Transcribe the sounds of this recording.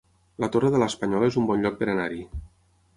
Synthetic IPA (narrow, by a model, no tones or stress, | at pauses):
lət̪orəðələspəɲɔlezumbɔnʎɔk̚pəɾənaɾi